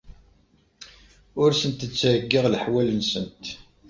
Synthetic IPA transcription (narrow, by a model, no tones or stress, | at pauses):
ʊɾsənt̪ət͡sːʕəɡːɪʁlħwælənsənt̪